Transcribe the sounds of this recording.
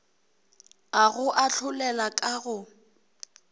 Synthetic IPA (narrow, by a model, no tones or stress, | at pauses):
aɣʊʔaɬʰʊlɛlakʼaɣʊ